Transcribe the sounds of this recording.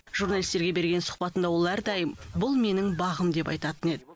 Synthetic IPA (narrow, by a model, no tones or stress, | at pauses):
ʒ̥urnalʲijst̪e̞ɾɡʲe̞be̞ɾɡʲe̞nsʊ̥χpɑt̪ənd̪ɑwo̞lˠæɾd̪ɑjəmbʊlˠme̞nɪŋbɑʁəmd̪e̞pɑjt̪ɑt̪əne̞d̪ɪ